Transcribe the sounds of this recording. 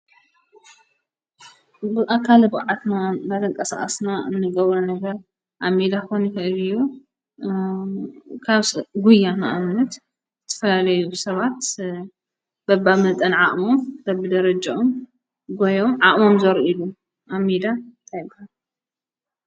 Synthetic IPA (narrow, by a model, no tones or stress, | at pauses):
bɨʔakʰːalɨbɨʕat̪nanalɐŋkʼɐsa̰ʔʼɐsnaɨnːɨɡɐβɾɐnɐɡɐɾ | ʔamid̪axonikɐʔɨlɨju | kʰaβsɡujːanaʔamnɐt̪ | zɨt̪ʰɐ̥fɐlalɐjusɐβat̪ | b̥ɐbamɐt̪ʼɐnʕaʔʼmod̪ɐbːɨd̪ɐɾɐd͡ʒaom | ɡojomʕaʔʼmomzɐɾilu | ʔamːid̪ant̪ʰajbhal